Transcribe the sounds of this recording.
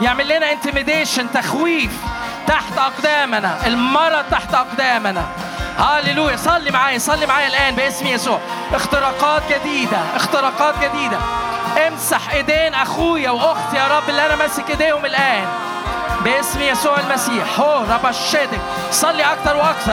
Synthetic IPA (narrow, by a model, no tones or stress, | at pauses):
jeʕmelːenæʔɪnt̪ɪɾmɪd̪eːʃent̪æxwiːf | t̪aħt̪ʔɑqd̪æːmnæʔelmɑɾˤːɑt̪aħt̪ʔɑqd̪æːmnæ | hɑleluːjæsˤɑlːimaʕaːjæsˤɑlːimaʕaːjælʔæːnbeʔesmjæsuːʕʔext̪eɾɑːqɑːt̪̚ɡæd̪iːd̪æʔext̪eɾɑːqɑːt̪̚ɡæd̪iːd̪æʔemsaħʔed̪eːnʔæxuːjæwʔoɣt̪jɑːɾˤɑbːʔelːiʔænæmæsːikʔed̪eːhomelʔæːn | beʔesmjæsuːʕelmæsiːħhoːɾˤɑbɑʃːed̪ɪk | sˤɑlːiʔɑk̚t̪ɑɾˤweʔɑk̚t̪ɑɾ